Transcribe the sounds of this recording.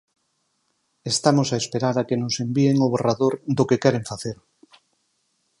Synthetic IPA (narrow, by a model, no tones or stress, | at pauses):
est̪amosaespeɾaɾakenose̞mbieŋoβeraðoɾðokekɛɾeɱfaθeɾ